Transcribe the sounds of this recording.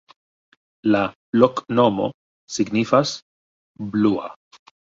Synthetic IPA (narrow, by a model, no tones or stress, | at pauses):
la | loknomo̰ | siɡnifas | blua̰